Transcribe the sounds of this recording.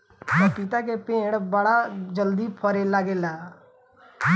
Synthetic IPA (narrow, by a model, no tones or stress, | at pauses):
mɛ̃ːpɪt̪aːkeːpẽːɽbəɽaːd͡ʒəld̪iːpʰəɾelaːɡeːlaː